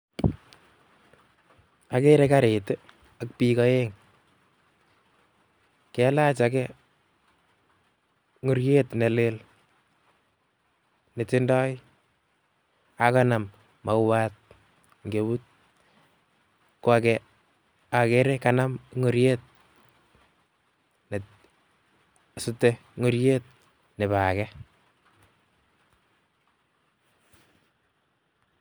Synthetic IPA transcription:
a˦ke˦ɾeka˦ɾe˨te | ak̚pi˦kɔ˦eŋ | kɛ˨˦la˦t͡ʃa˨kɛ | ŋo˨ɾje˦tne˨le˦l | ne˨tɪ˦ndɔ˦j | a˨ka˦na˨mː | a˨wat̚ | ŋɡe˨but̚ | kwa˨kɛ | a˨ke˦ɾe˦kana˦mŋo˨ɾjet̪̚ | ne˨ | su˦tːɛŋo˨ɾje˦t̪̚ | ne˨βa˨kɛ

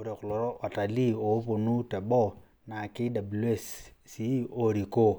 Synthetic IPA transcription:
u˦ɾe˨kʊ˨lɔ˨ɾɔ˦ʔɔ˨ta˨li˦o˨˦po˨nu˦tɛ˨bɔ˦ | na˨kɪ˦da˨bu˨lu˦e˦˨ssi˦o˨ɾi˨ko˦

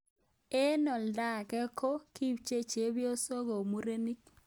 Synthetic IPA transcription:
e˦nɔ˨lda˦˨kɛ˦ko˦ki˦bt͡ʃe˦t͡ʃe˨˦bjo˦so˦ɣo˨mu˦ɾe˦ni˦k

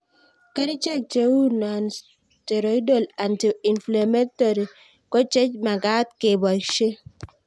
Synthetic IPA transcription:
ka˦ɾi˦t͡ʃe˦˨k̚t͡ʃe˦wu˦na˨n | te˨ɾo˨i˦do˦˨la˨nti˨i˨nfla˨me˦to˨ɾi˨ | kɔ˦t͡ʃe˦t͡ʃma˨ɡa˦t̚ke˨bɔ˨ʃe˦

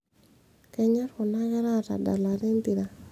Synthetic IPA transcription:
kɛ˦ɲa˦ɾko˨na˦ɣɛ˦ɾa˦ta̰˨da̰˨la˨ɾe˦nt̪i˨ɾa˨

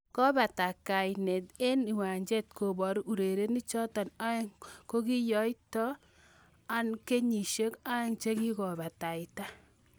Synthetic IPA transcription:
kɔ˦ba˨ta˨ka˨jnɛ˨te˦ni˨wa˨ɲd͡ʒe˦t̚ko˨bɔ˨ɾu˨ɾe˨ɾe˦ni˦t͡ʃɔ˦tɔ˨na˦ko˦ki˦jɔ˦jtɔ˦ | a˦nke˦ɲi˨ʃe˦ka˦ŋt͡ʃe˦ki˦kɔ˨ba˨ta˨ɪ˨ta˦

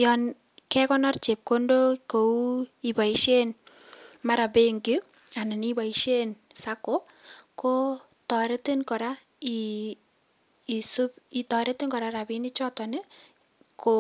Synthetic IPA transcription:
jɔn | kɛ˦kɔ˦nɔ˦rt͡ʃe˨p̚ko˦ndo˦ko˨u˦i˨ba˨iʃe˦n | ma˦ɾa˨be˦ŋɡɪ˦ | a˨na˨niba˨iʃe˦nsa˦ko˦ | ko˦ | tɔ˨ɾe˦ti˦nkɔ˨ɾa | i˨ | su˦pi˨tɔ˨ɾe˦ti˦ŋkɔ˨ɾa˦ɾa˨bi˦nɪ˦t͡ʃɔ˦tɔ˨nɛ˦ | kʰo

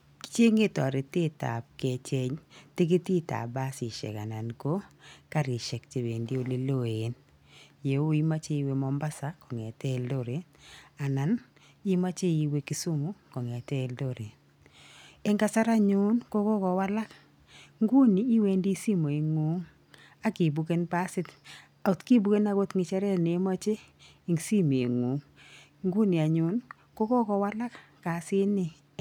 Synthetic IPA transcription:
t͡ʃe˦ŋe˦tɔ˨ɾe˨te˦ta̰˨p̚ke˨t͡ʃe˦ɲtɪ˦ke˦ti˦ta̰˨ba˦si˨ʃɛ̰˨ka̰˨na˨nko˦ka˦ɾi˨ʃɛ˨k̚t͡ʃe˨be˨ndi˦o˦le˦lo˦˨e˨n | je˨o˦i˦ma˦t͡ʃe˦i˨˦we˦mɔ˨˦mba˦sa˨kɔ˨ŋɛ˨tɛ˦˨ldo˦ɾe˨a˨na˨n | i˦ma˦t͡ʃe˦i˨we˦ki˦su˦mu˦kɔ˨ŋɛ˨tɛ˦ldo˦˨ɾe˨ | e˦ŋɡa˦sa˦ɾa˦ɲʊ˨˦nko˦kɔ˦kɔ˨wa˦la˦k | ŋɡu˦niː˨˦we˦ndi˦si˦mo˨e˨ŋu˨˦ŋ | a˦ki˨bu˨ke˦npa˦sɪ˦t | a˨u˨tki˦bu˦ke˦na˦˨ɡo˦tŋɪ˨t͡ʃa˦ɾɛ˦ne˨˦ma˦t͡ʃe˦ | i˨ŋsi˦m˨e˨ŋu˨˦ŋ | ŋɡu˦ni˨a˨ɲʊ˨˦n | ko˦kɔ˦kɔ˨wa˦la˦kka˨sɪ˦nɪ˨

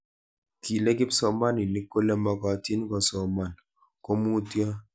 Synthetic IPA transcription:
ki˨le˦kɪ˦psɔ˨ma˦ni˨ni˦ko˦lɛ˦mɔ˦kɔ˨˦ti˦nkɔ˨sɔ˨ma˨n | ko˦mu˦tjɔ˦

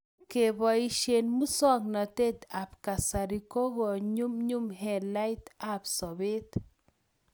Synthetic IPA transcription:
ke˨bɔ˨i˦ʃe˨nmu˦sɔ˦ŋnɔ˨t̪e˦t̪a˨pka˨sa˨ɾi˨ko˦ɣɔ˨ɲu˦mɲu˦mɦɛ˨la˦jt̪a˨psɔ˨be˦t̪

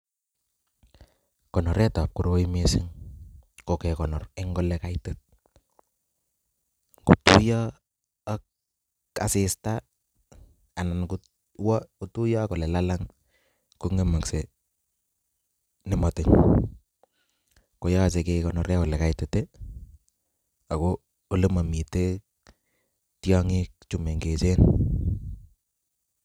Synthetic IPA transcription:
kɔ˨nɔ˨ɾɛ˦ta˨p̚kuɾo˦wo˦imesɪ˦ŋ | kɔkɛ˨kɔ˨nɔ˨rɛ˦ŋɡɔ˦lɛka˦ɪte˦t̚ | ku˨tu˦jɔ˦ | ak | a̰˨sɪsta | a˨na˨nku | wɔutu˦jɔ˦kɔ˨lɛ˨lalaŋ | ko˦ŋɡe˦ma˨kse˨ | nɪ˨mɔ˨tɪ˨ŋ | ko˨jɔ˦˨se˨ke˦kɔ˦nɔ˦ɾɛ˦kɔ˨lɛ˨ka˨itɛ˨te˦ | a˨ko˦ | o˦le˦ma˨mi˨te˦ | tjɔ˦ŋɪ˦k̚t͡ʃu˦me˨ŋɡe˨t͡ʃe˦n

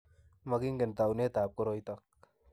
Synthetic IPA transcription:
ma˦ki˦ŋɡɪ˨nta˨wne˦taː˨p̚kɔ˦ɾɔ˦jt̪ak̚

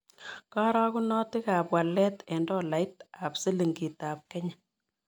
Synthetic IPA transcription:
kɔ˦ɾɔ˦ku˦nɔ˦tɪ˦ka˨pwa˨lːɛ˦tɛ˨ndɔ˦la˨jta˨psi˦li˨ŋɡi˨ta˨p̚kɛ˦ɲa˨

